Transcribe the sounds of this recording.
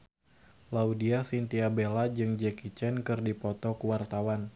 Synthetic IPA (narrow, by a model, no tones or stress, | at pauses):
laudiasint̪iabelad͡ʒɨŋd͡ʒɛkit͡ʃɛnkɨrdipɔt̪ɔkəwart̪awan